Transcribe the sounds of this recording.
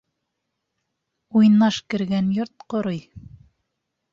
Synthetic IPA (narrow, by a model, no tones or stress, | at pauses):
ujnːɑʃkɘ̆ɾɡænjoɾt̪̚qŏɾoj